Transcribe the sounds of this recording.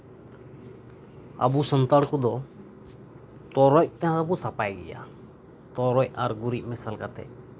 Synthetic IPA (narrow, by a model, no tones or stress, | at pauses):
a̰busənt̪aɽkɔd̪ɔ | t̪ɔɾɔc̚t̪ɛɦãabusapajɡɛ̰ja̰ | t̪ɔɾɔc̚aɾɡuɾic̚ˀmɛsalkat̪ɛ̰ʔ